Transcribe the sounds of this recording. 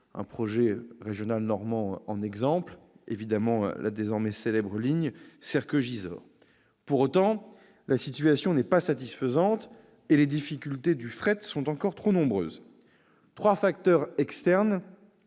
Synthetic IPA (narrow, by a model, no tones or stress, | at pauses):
ɛ̰̃pχɔʒɛʁeʒjɔnalnɔʁmɑ̃ɑ̃nɛɡzɑ̃plevid̪amɑ̰̃lʔa̰d̪ezɔʁmɛselɛbʁəliɲsɛʁkøʒizɔ̰ːʁ | puʁot̪ɑ̃ | lasit̪ɥasjɔ̃nɛpasat̪isfəzɑ̃t̪ | eled̪ifikʲylt̪ed̪yfχɛt̪sɔ̃t̪ɑ̃kɔʁt̪χonɔ̃bʁø̰ːz | t̪χwafakt̪œʁɛkst̪ɛʁn